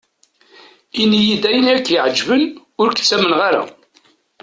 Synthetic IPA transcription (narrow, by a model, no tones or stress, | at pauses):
inːijid̪æjənækːjəʕəd͡ʒːvən | ʊɾkə̥t͡sːæmənʁaɾa̰